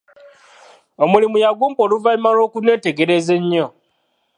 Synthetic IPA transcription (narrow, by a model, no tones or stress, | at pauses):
omulimujaɡuːmpoluvaimalo̞ːkune̞te̞ɡe̞ɾe̞ze̞ɲːo